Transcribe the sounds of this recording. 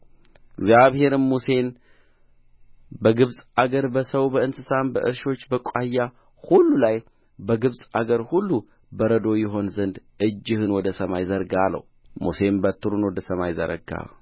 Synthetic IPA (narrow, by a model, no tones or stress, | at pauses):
ɡzjaβhe̞ɾɨmːuse̞n | bəɡɨβsʼaɡəɾbəsəwbəɨnsɨsambəʔɨɾʃo̞t͡ʃːbəkʷʼajːa | hulːulaj | bəɡɨβsʼaɡəɾhulːu | bəɾəd̪o̞jɪɦo̞nzənd̪ | ʔɨd͡ʒːɨhɨnwɔd̪əsəmajzəɾɡalːə̰humuse̞nbət̪ʰːɨɾunwɔd̪əsəmajzə̰ɾə̰ɡa̰